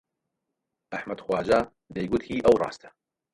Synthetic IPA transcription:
ʔɐħmɐd̪xwaːd͡ʒaː | d̪ejɡut̪hiːʔɐwrˤɑ̰ːst̪ʰɐ̥

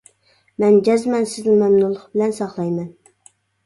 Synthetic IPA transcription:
mɛnd͡ʒɛzmɛnsɪznɪmɛmnulˠʊχbɪlɛnsɑχlˠɑjmɛn

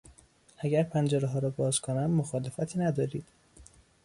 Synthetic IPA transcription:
ʔæɟæɾpʰænd͡ʒeɾeɦɒːɾɒːbɒːzkʰonæmːoxɒːlefæt̪ʰiːnæd̪ɒːɾiːd̪̥

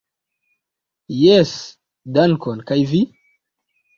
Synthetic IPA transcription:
jes | dankonkajvi

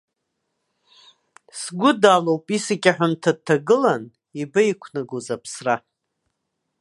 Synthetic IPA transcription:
sɡʷʊdalowpʼisakʲʼaħʷʊmtʰad̚tʰːaɡɨlan | ibaikʷʰnɨɡuzapʰsra

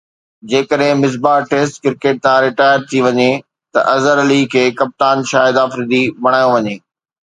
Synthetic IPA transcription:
d͡ʑeːkəɗɦɪ̃mɪs̬baːʈeːsʈkɪɾkeːʈ̚t̪ʰãɾɪʈaːɪəɾt̪ʰiʋɐɲe | t̪ɐ̰ʔɐzəɾɐlikʰeːkɐp̚t̪aːnʃaːɦɪd̪aːfɾɪd̪ibɐɽ̃aːjõʋɐɲeː

